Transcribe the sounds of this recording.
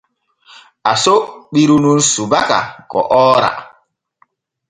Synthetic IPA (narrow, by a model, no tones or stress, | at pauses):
asoɓiɾunun̩subaka̰kɔ̰ʔɔːɾa̰